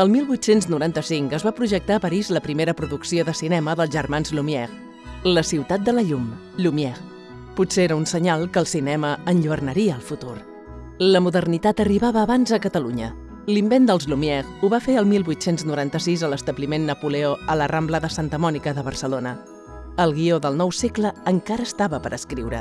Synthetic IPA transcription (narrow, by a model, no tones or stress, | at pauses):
əlˠmilˠβwuit̪senznuɾant̪əsiŋkəzβapɾuʒək̚t̪aəpəɾizləpɾimeɾəpɾuðuksioðəsinɛməðəlˠzʒərmanzlumjɛɣ | ləsiwt̪at̪̚d̪ələʎum | ʎumiɛɣ | putseeɾəunsəɲalˠkəlˠsinɛməənʎuβərnəɾiəːlˠfut̪uɾ | ləmuðərnit̪at̪əriβaβəːβanzəkət̪əluɲə | limbend̪əlˠzlumiɛɣuβafeəlˠmilˠβwuit̪senznuɾant̪əsizələst̪əβlimenːəpuleoələrambləðəsant̪əmɔnikəðəβərsəlonə | əlˠɣioðəlˠnɔwsekləːŋkaɾəːst̪aβəpəɾʔəskɾiwɾə̰